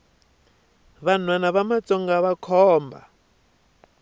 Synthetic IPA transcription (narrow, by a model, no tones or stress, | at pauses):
βan̤wanaβamat͡sʼɔŋɡaβakʰɔːmba̰